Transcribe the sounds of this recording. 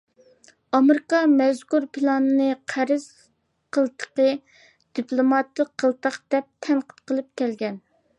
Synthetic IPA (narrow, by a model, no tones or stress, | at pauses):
ɑmeɾɪkɑmɛzkuɾpʰɨlˠɑnɨnɨqʰæɾɪz̥ | qʰəlˠt̪ʰə̥qə | d̪̥iplˠomɑt̪ːəqʰːəlˠt̪ɑqd̪̥ɛp̚t̪ʰɛnqə̥t̪qʰəlˠɨp̚kʲɛlɡʲɛn